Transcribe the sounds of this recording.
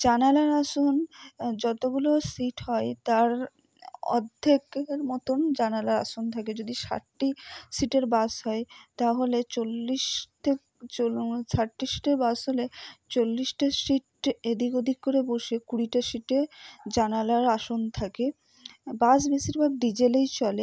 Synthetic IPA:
d͡ʑanalaɾaʃond͡ʑɔt̪oɡulosiʈɦɔet̪aɾ | ɔ̰d̪ʱːekɾmɔt̪ond͡ʑanalaɾa̰ʃont̪ʰaked͡ʑod̪iʃa̰ʈʈːisiʈeɾbasɦɔet̪aɦolet͡ɕolːiʃʈe | t͡ɕosaʈːisi̥ʈeɾbasɦolet͡ɕolːisʈasiʈed̪ʱikod̪ʱikkːoɾeboʃekuɽiʈaʃiʈed͡ʑanalaɾaʃont̪ʰake | bas̬beʃiɾbʱab̚ɖid͡ʑelejt͡ɕɔle

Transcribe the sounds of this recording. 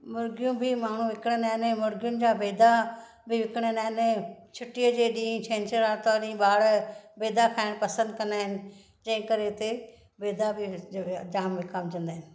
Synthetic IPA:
mʊɾɡɪjũbʱɪmaːɳ̤ũʋɪkɽ̃ə̃naːɦɪnẽmʊɾɡɪjʊnɪ̆d͡ʑaːbeːd̪ʱa | bʱɪʋɪkəɽ̃ənaːɦɪnɛ̃t͡ɕʰʊʈijəd͡ʑeːɗĩːt͡ɕʰẽːnt͡ɕəɾat̪ɔɾĩɓaːɽbeːd̪akʰaːɪɽ̃pɐsə̃nd̪kɐ̃nd̪aːɦɪnɪ̆ | d͡ʑɐ̃ɦɪ̃kɐɾet̪e | beːd̪abʱɪd͡ʑaːmʋɪkaːmd͡ʑɐ̃nd̪aːɦɪnɪ̆

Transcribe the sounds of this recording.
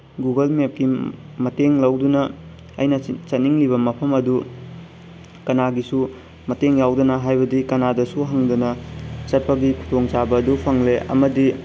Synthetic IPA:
ɡuɡɐlmep̚ki | mɐteŋlɐwdunɐ̰ː | jnɐt͡ʃɐt̚niŋliβɐmɐpʰɐmɐdu | kɐnaɡisu | mɐteŋjawdɐnɐɦajbɐdikɐnadɐsuɦɐŋdunɐt͡ʃɐt̚pɐɡikʰu̥tʰoŋt͡ʃabɐːdupʰɐŋleʔɐ̰mɐdi

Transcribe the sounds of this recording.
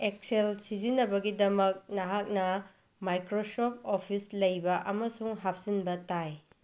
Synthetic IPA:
ek̚selsizinːɐbɐɡidɐmɐk̚nɐɦak̚nɐ | majkɾosop̚opʰislɐjbɐʔɐmɐsuŋɦap̚z̥inbɐtaj

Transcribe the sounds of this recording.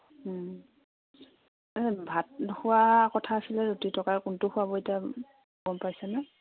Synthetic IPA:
bʱat̚nxʊwakɔtʰaːsilɛɹutitɔkaɹkuntʊxʊwabɔetia | ɡɔmpajsɛna

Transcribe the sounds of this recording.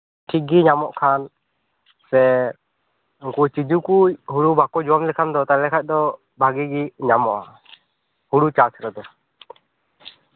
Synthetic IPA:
ʈʰik̚ɡiɲamɔʔkʰan | sɛ | uŋkut͡ʃid͡ʒukuɦuɽubʱakɔd͡ʒɔwamlɛkʰand̪ɔt̪alɛkʰac̚ˀd̪ɔ | bʱaɡiɡiɲamɔʔa | huɽut͡ʃat͡ʃɾɔd̪ɔ

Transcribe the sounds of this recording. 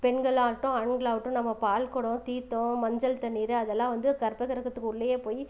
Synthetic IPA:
pɛnɡɐɭaːʋɪʈːʊ̃ɐɳɡɐɭaːʋɯʈːʊ̃nɐmːɐpaːlkɔɽʊ̃t̪iːt̪ːʊ̃mɐɲd͡ʒɐlt̪ɐnːiːɾɯɐðɛlːãːʋɐnd̪ɯkɐɾpɐkɐɾɐkːɐt̪ːɯkːɯʊɭːɐjeːpoːji

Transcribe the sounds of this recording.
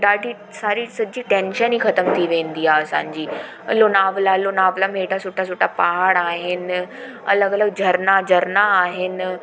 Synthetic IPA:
ɗaːɖʱi | saːɾisɐd͡ʑiʈẽːnʃənixɐt̪əmt̪ʰiʋẽːnd̪iaːɐsã̰ːɲd͡ʑiː | ɐlonaːʋlaɪlonaːʋlameːʈasʊʈʰas̬ʊʈʰapaɦaːɽaːɦɪn̆ | ɐ̰ləɡɐləɡ̚d͡ʑʱɐɾnad͡ʑʱɐɾnaːɦɪn̆

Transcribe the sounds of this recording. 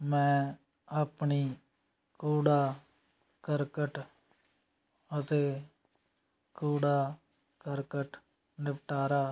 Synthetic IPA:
mɛ̃ː | aːpɳiː | kuːɽaː | kəɾkəʈ | ət̪eː | kuːɽaː | kəɾkəʈ | nɪpʈaːɾaː

